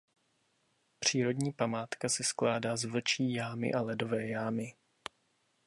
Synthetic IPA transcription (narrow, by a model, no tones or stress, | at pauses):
pr̝̥iːɾo̞dɲiːpamaːt̪kasɪsklaːdaːzvl̩t͡ʃiːjaːmɪ̰ʔalɛdo̞vɛːjaːmɪ